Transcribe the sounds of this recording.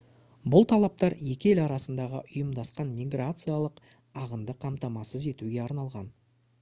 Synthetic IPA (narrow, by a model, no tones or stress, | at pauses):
bʊlˠt̪ʰɑlˠɑp̚t̪ɑɾje̞kʲɪe̞lɑɾɑsənd̪ɑʁə̰ʔʊjəmd̪ɑsqɑnmʲiɡrat̪sɨjalˠəq | ɑʁənd̪əqʰɑmt̪ɑmɑsəze̞t̪uɡʲe̞ɑɾnɑlˠʁɑn